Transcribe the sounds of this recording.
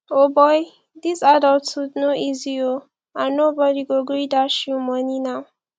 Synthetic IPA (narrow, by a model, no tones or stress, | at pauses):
obɔj | d̪isadɔltsudnoizio | anobɔɾiɡoɡɹidaʃjumʌninaw